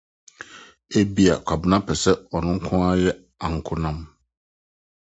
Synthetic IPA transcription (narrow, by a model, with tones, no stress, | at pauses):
e˦bi˦a˨kʷʰa˨bnã˦pʰɛ˨sɛ˦ɔ˨nʊ̃˦ŋ̩˦kʰʊ̃˦a˦jɛ˦ | ã˨ŋ̩˨kʰʊ̃˦nã˦m